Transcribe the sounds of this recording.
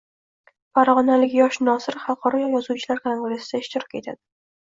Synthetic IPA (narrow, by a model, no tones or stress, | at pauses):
faɾʁɒnalɪkʲjɒʃnɒsɪɾχɑlˠqʰɒɾɒjɒjɒzuwt͡ʃʰɪlaɾkʰaŋɡɾesɪd̪aɪʃt̪ɪɾɒke̞t̪ʰad̪̥ɪ